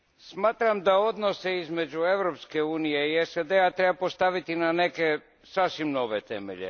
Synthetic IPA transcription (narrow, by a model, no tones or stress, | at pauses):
smaːt̪ɾamd̪ao̞d̪no̞seizme̞d͡ʑueʋɾo̞pske̞uːnijeiesed̪eat̪ɾebapost̪aʋit̪inaneke | sasʋimno̞ʋet̪ḛmḛʎḛ